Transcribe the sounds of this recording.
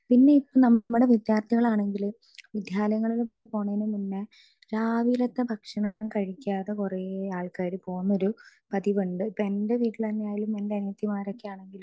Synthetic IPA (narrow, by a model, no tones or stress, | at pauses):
pinːe̞ipːonɐmːuɽe̞ʋid̪jaːrt̪iɣɐɭaːɳe̞ŋɡil | ʋid̪ʱjaːlɐjɐŋːɐɭilu | po̞ːɳeːnːɨmunːe | ɾaːʋilɐt̪ːɐbʱɐkʂɐŋumkɐɻikʲːaːðekureːaːɭkaːɾɨpo̞ːunːo̞ɾupɐðiʋuɳɖɨpendeʋiːʈːiɭɐnːejaːjilumendeɐnujɐt̪ːimaːɾo̞kːe̞jaːɳe̞ŋɡilum